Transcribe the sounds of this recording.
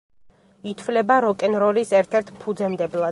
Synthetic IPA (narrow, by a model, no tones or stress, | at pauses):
it̪ʰvlɛbaɾɔkʼɛnɾɔlisɛɾt̪ʰɛɾt̪ʰpʰud̪zɛmd̪ɛblˠa